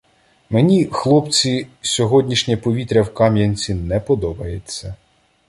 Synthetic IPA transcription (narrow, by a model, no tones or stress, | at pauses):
menʲixlˠɔpt͡sʲisʲɔɦɔdʲnʲiʃnʲɐpɔʋʲit̪ɾʲɐwkɑmjɐnʲt͡sʲinɛpɔd̪ɔbɐjet͡sʲːɐ